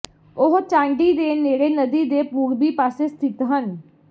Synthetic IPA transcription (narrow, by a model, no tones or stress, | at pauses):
ʊɦt͡ʃãːɳɖiːd̪eːneːɽeːnəd̪iːd̪eːpuːɾbiːpaːseːst̪ʰɪt̪ɦən